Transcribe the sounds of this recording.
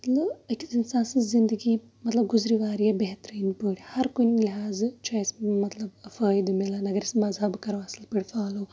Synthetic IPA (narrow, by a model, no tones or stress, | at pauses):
mɐt̪lɐbɐkisinsãːnsɨzind̪əɡiː | mɐt̪lɐb̚ɡuzɾiʋaːɾjɐbeɦt̪ɾiinpəːɽʲihɐɾkunʲliɦaːzt͡ʃaːjsmɐt̪lɐbfəːjd̪ɨmilanɐɡɐɾismɐzɐbkɐɾʋɐslpɐɽifaːloː